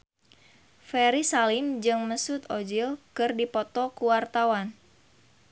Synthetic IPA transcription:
fɛɾisalimd͡ʒɨŋməsut̪od͡ʒilkɨrdipɔt̪ɔkuwart̪awan

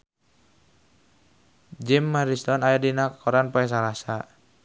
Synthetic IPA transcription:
d͡ʒimːaɾist̪ɔnajadinakkʰɔɾanpɔɛs̬aɾasa

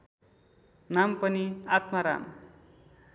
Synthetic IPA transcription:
nampʌniat̪maɾa̰m

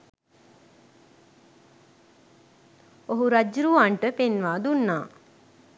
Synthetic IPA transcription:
oɦuɾad͡ʒɾuːaɳʈəpenʋaːd̪unːaː

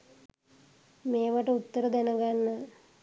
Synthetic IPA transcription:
meːʋaʈəut̪ːəɾəd̪ænəɡanːə

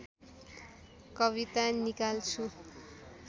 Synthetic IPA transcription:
kʌβit̪anikalt͡sʰu

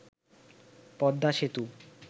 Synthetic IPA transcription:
pɔd̪ːaʃet̪u

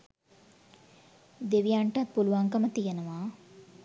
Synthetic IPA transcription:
d̪eʋijaɳʈat̪̚puluʋaŋkəmət̪ijenəʋaː

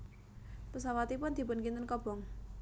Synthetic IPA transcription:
pəsawat̪ipʊnd̪̥i̤pʊnkint̪ənkɔb̥ɔ̤ŋ

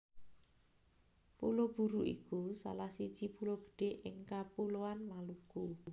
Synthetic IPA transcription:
pulob̥uɾuʔḭkusa̰lahsid̥ʒ̥ipuloɡ̥ə̥ɖ̥e̤ʔɪŋkapuloanmaluku

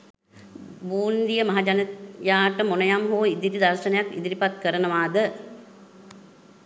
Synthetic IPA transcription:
buːnd̪ijəmɐɦad͡ʒanəjaːʈəmonəjamɦoːid̪iɾid̪arʃənɐjakḭd̪iɾipat̪kəɾənəʋaːd̪ə

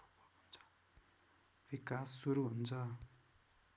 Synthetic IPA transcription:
ɦunt͡sʰʌ̥ | bikasːuɾuɦunt͡sʰʌ

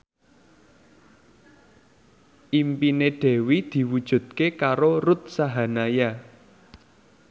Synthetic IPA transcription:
ʔimpineɖ̥ɛ̤wid̪̥i̤wud̥ʒ̥ṳd̪̥̚kekaɾorut̪̚saɦanaja

